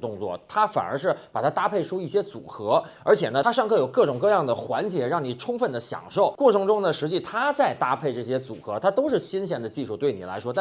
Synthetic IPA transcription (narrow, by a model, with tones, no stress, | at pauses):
t̪ʊ˥˧ŋt͡swɔ̰˥˩t̪ʰa˥fa̰˨˩ə̰˞˧˥ʂ̬ɻ̩˥˩pa˨˩t̪ʰa˥t̪a˥pʰe˥˩ɪʂo˥ʊi˥˩ɕjɛ˥t͡sṵ˨˩xɤ˧˥ | ə˞˧˥t͡ɕʰjɛ˨˩nə˦t̪ʰa˥ʂɑ˥˧ŋkʰɤ˥˩jo˨˩ʊkɤ˥˩ʈ͡ʂʊ˨˩ŋkɤ˥˧jɑ˥˩ŋd̪ə˩xwa˧˥nt͡ɕjɛ˧˥ɻɑ˥˩ŋni˨˩ʈ͡ʂʰʊ˥ŋfə˥˩nd̪ə˩ɕjɑ̰˨˩ŋʂo˥˩ʊkwɔ˥˩ʈ͡ʂʰɤ˧˥ŋʈ͡ʂʊ˥ŋd̪ə˨˩ʂɻ̩˧˥t͡ɕi˥˩t̪ʰa˥t͡sa˥˧ɪt̪a˥pʰe˥˧ɪʈ͡ʂɤ˥˩ɕ̬jɛ˥t͡sṵ˨˩xɤ˧˥t̪ʰa˥t̪o˥ʊʂɻ̩˥˩ɕi˥nɕjɛ˧˥nd̪ə˨t͡ɕi˥˧ʂu˥˧t̪we˥˩ɪni˨˩la̰˧˥ɪʂwɔ˥t̪a˥˩